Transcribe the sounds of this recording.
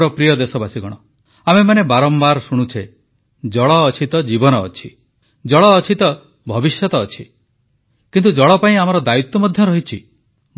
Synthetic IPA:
ɾɔpɾijɔd̪esɔbasiɡɔɽ̃ɔ | amemanebaɾɔmbaɾsuɽ̃ut͡ʃʰe | d͡ʒɔɭɔːt͡ʃʰit̪ɔd͡ʒibɔnɔ̰ːt͡ʃʰi | d͡ʒɔɭɔːt͡ʃʰit̪ɔ | bʱɔbisjɔt̪ɔːt͡ʃʰi | kint̪ud͡ʒɔɭɔpaĩamɔɾɔd̪ajut̪ːɔmɔd̪ʱjɔɾɔɦit͡ʃʰḭ

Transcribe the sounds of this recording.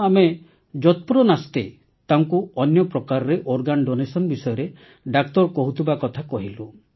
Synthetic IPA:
ame | d͡ʒɔt̪̚puɾɔnast̪e | t̪aŋkuɔnjɔpɾɔkaɾɔɾeʔoɾɡanɖonesɔnbisɔjɔɾe | ɖak̚t̪ɔɾkɔɦut̪ʰibakɔt̪ʰakɔɦilu

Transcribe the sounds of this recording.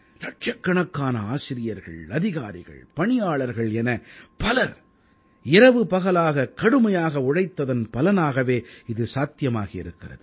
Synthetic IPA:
lɐʈ̚t͡ʃɐkːɐɳɐkːaːnɐaːsɪɾɪjɐɾɣɐ̰ɭɐðɪɣaːɾɪ̰ɣɐ̰ɭpɐɳɪjaːɭɐɾɣɐɭɛnɐpɐlɐɾ | ɪɾɐʋɯpɐɣɐlaːɣɐkɐɽɯmɐjaːɣɐʊɽɐɪt̪ːɐðɐnpɐlɐnaːɣɐʋeːɪðɯsaːt̪ɪjɐmaːɣɐɪ̰ɾɯkːɪrɐ̰ðɯ

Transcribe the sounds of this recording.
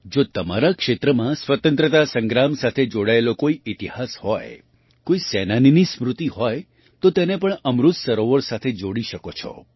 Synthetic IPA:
d͡ʒot̪əmaɾakʃet̪ɾəmãsʋət̪ə̃nt̪ɾət̪asə̃ŋɡɾamsat̪ʰed͡ʒoɽaelokoiɪt̪iɦashɔj | koisɛnaninismɾut̪iɦɔj | t̪ot̪enepəɳəmɾut̪səɾoʋəɾsat̪ʰed͡ʒoɽiʃəkot͡ʃʰɔ̰

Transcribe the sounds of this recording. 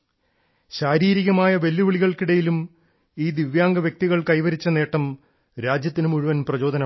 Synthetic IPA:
ɕaːɾiːɾiɣɐmaːjɐʋe̞lːuʋiɭiɣɐɭkiɽɐjilum | iːd̪iʋjaːŋɡɐʋjɐk̚t̪iɣɐɭkɐjʋɐɾit͡ɕːɐne̞ːʈːɐm | ɾaːd͡ʑjɐt̪ːinumuɻuʋɐnprɐt͡ɕo̞ːd̪ʱɐnɐ

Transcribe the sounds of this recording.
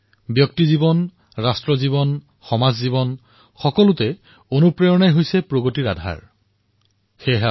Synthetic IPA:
bjɔk̚tizibɔn | ɹastɹɔzibɔn | xɔmazzibɔn | xɔkɔlʊtɛ | onupɹeɔnajɦojsɛpɹoɡotiɹa̰dʱa̰ɹ | xeɦa

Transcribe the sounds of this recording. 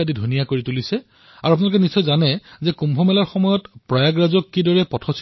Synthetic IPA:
adidʱunijakoɹitulisɛ | aɹuapunalukɛnisːɔjzanɛzɛkumbʱɔmɛlaɹxɔmɔjɔtpɹajaɡɹazɔkːidɔɹɛpɔtʰɔs

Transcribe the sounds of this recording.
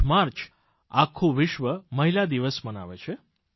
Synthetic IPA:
maɾt͡ʃ | a̰kʰːũʋɪʃʋəməɦilad̪iʋəsməna̰ʋet͡ʃʰe

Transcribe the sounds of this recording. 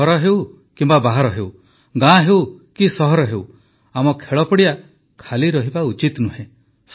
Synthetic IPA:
ɔɾɔɦew | kimbabaɦaɾɔɦew | ɡãɦewkisɔɦɔɾɔɦew | amɔkʰeɭɔpɔɽija | kʰaliɾɔɦibaut͡ʃit̪nuɦẽ | s

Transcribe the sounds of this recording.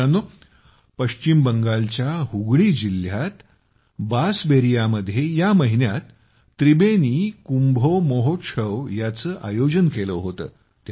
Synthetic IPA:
anːo | pəɕt͡ɕimbəŋɡalt͡ɕjaɦuɡɽiːd͡ʑiljat̪ | basbeɾijaməd̪ʱːjejaməɦinjat̪ː | ɾibeniːkumbʱomoɦot̪ʂəʋjat͡səːʔajod͡ʑənkeləɦot̪ə̰ː | t̪

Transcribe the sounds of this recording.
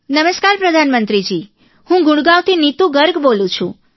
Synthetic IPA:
nəməskaɾpɾəd̪ʱanmənt̪ɾid͡ʒi | hũɡʊɽɡaʋt̪ʰinit̪ũɡəɾɡbolũt͡ʃʰũ

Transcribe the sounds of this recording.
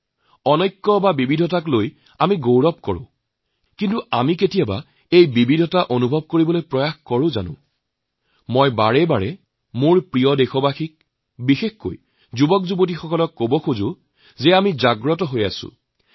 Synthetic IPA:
ɔnɔjkːɔbabibidʱɔtakloj | amiɡowɹɔp̚kɔɹʊ̰̃ | kintuamiketijaba̰ | ejbibidʱɔtaʔonubʱɔb̚koɹibɔlojpɹɔjaxkɔɹʊ̃za̰nʊ̰̃ | mɔjbaɹɛbaɹɛ | mʊɹpɹijɔdexɔbaxik̚ | bixexko̰j | zubɔkzubot̬ixɔkɔlɔkːobɔxuzʊ | zɛamizaɡɹɔtɔɦojasʊ̰

